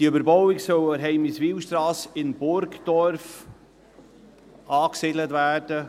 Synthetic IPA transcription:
d̥iøbəɾbɔwɪksœwəɾɦɛɪmɪsʋiːwʃtɾɑːsɪnbʊɾɡd̥̪ɔɾf | ɑːksɪdlət̪væːrd̥ə

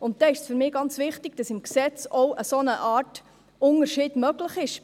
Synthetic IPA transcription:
ʊnt̚d̥ɛɪʃsfyɾmɪːɡɑnt͡sʋɪχtɪɡ̥d̥ɑsɪmksɛt͡sɔʊʔəsonəʔɑːt | ʊnəɾʃiːd̥mœɡləχɪʃ

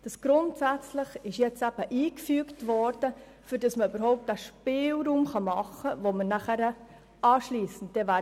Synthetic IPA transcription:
d̥ɑsɡ̥ɾʊntsæt͡sləχɪʃjɛt͡sæb̥əʔiːkfyːktʋɔɾd̥ə | fyɾd̥ɑsməybəɾɦɔʊp̚tæʃpɪːlɾuːmχɑmɑχəvomənæχæɾə | ɑːʃliːsən̩t̚d̥ɛvæ

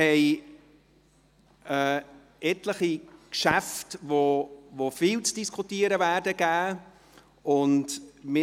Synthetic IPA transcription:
hɛɪ | əː | ɛtləχikʃæftvovofiːlt͡sd̥iskʰχutiːəɾəvæːɾdəɡ̥æː | ʊntmɪ

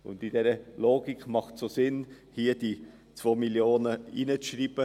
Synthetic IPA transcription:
ʊ̰ndid̥ɛɾəloːɡikmɑχtsosɪn | hiːəd̥i | t͡svoːmiljoːnəinət͡sʃriːb̥ə

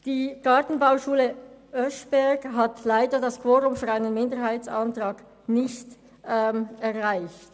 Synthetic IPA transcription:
d̥iːɡ̥ɑɐtn̩baʊʃuːləʔœʃb̥ɛɐɡɦatlaɪdədaskʰv̥oːʁʊmfyːɐaɪnənmɪndəɦaɪtt͡santʁɑːɡ | nɪçt | ɛmɛʁʁaɪçt

